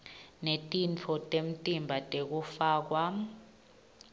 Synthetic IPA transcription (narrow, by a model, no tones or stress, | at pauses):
netʼint͡fʰɔtʼem̩tʼimbʱatʼek̬ufaːk̬wa